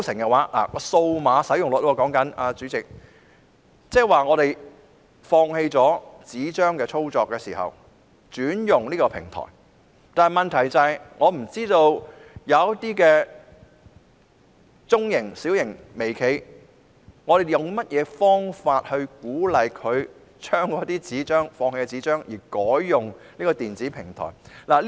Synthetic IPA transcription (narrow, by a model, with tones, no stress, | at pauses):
sɪ˨˩ŋkɛ˧waː˨˥la̰ː˨˩kɔː˧so˧wmaː˨˧sɐ˨˥jʊ˨ŋlʊ˨˧t̚wɔ˧kɔː˨˥ŋkɐ˨˥naː˧t͡sy˨˥t͡sɪ˨k̚ | t͡sɛː˥waː˨˩ŋɔː˨˧ɾe˨j | fɔː˧ŋhe˧jt͡sɔː˨˥t͡siː˨˥t͡ʃœː˥ŋkɛː˧t͡sʰo˥wt͡sɔː˧kːɛː˧sḭː˨˩hɐ̰˨w | t͡ʃyː˨˥njʊ˨ŋliː˥kɔː˧pʰɪ̰˨˩ŋt̪ʰɔ̰ː˨˩j | t̪aː˨n˩jmɐ˨nt̪ʰɐ˨˩jt͡sɐ˨jŋɔː˨˧m̩˨˩t͡siː˥t̪o˧wjɐ˨˧wt̪iː˥kɛː˧ | t͡sʊ˥ŋjɪ˨˩ŋsiː˨˥wjɪ˨˩ŋme˨˩jkʰe˨˧j | ŋɔː˨˧d̪e˨˩jʊ˨ŋmɐ˥t̚jɛː˨˧fɔː˥ŋfaː˧t̚hɵ˧ɥkuː˨˥lɐ˨˧jkʰɵ˨˧ɥ | t͡ʃʰœː˥ŋkɔː˨˥t̪iː˥t͡siː˨˥t͡ʃœː˥ŋfɔː˧ŋhe˧ɛ˧t͡siː˨˥t͡ʃœː˥ŋjiː˨˩kɔː˨˥jːʊ˨ŋniː˥kɔː˧t̪iː˨nt͡siː˨˥pʰɪ˨˩ŋt̪ʰɔ̰˨˩jlaː˨˩l